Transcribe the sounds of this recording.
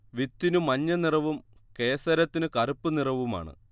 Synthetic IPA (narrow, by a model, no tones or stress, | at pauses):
ʋit̪ːinumɐɲːɐnirɐʋumkeːsɐɾɐt̪ːinɨkɐrupːɨnirɐʋuma̰ːɳɨ̰